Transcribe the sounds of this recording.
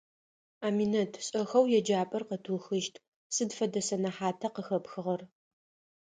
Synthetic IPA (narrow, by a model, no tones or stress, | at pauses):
aːminɐtʰɕʼɐxɐwjɛd͡ʒaːpʼɐrqətʰuːxɨʃtʰ | sɨdfɐdɐsɐnɐħaːtʰɐqəxɐpxɨʁɐr